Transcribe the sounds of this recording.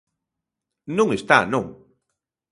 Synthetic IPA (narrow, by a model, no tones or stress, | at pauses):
nũŋest̪anõŋ